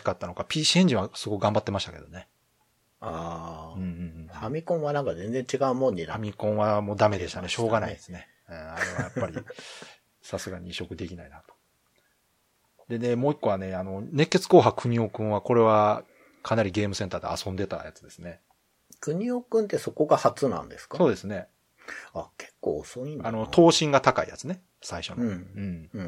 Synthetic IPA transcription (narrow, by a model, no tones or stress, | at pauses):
i̥kat̪ːano̞kapʲiːɕiẽ̞ɲ̟d͡ʑĩɰβasɨɡo̞kɯɡãmbat̪ːe̞maɕit̪ake̞d̪o̞ne | aɯ̟̃ɴɯ̃ɴ̃ɴhamʲikõɰ̃βanãŋkazẽnd͡zeɲt͡ɕiɡaɯmõɲːinaamʲikõ̞ɰ̃βamo̞ːd̪ame̞d̪eɕt̪aneɕo̞ːɡanaid̪esɨnẽ̞ | aɾeβajapːaɾʲi | sasɨɡaɲ̟iɕo̞kɯ̟d̪e̞kʲinainat̪o̥ | d̪e̞ne̞mo̞ːikːo̞ane̞ano̞ne̞kːe̞t͡sɨ̥ko̞ːɦakɯ̟ɲ̟io̞kɯ̟̃ɰ̃βako̞ɾe̞βa | kʰanaɾʲiɡe̞ːmɯ̟sẽ̞nt̪aːd̪e̞̰asõ̞nd̪e̞t̪a̰jat͡sɨ̥d̪e̞̥sɨne̞ | kɯ̟ɲ̟iokɯ̃nt̪e̞so̞ko̞ɡahat͡sɨnã̰nd̪e̞sɨ̥kso̞ːd̪e̞sɨne̞ | ake̥kːo̰ːosoĩnanot̪ʰo̞ːɕĩŋɡat̪akaḭja̰t͡sɨne̞ | saiɕo̞noɯ̟̃ɴ